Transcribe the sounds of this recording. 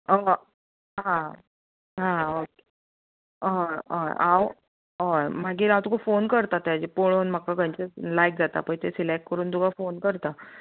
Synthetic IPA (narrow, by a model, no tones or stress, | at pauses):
ə | ɦã | ɦãoke | əjə̰j̰aw | ɦəjm̤aɡiːɾãwt̪əkofonkəɾt̪at̪jad͡ʑepoɭoːnm̤akaɡəjɲt͡ɕəlajk̚d͡zat̪a̰pəɳt̪esilek̚ʈkəɾuːnd̪uɡafonkəɾt̪a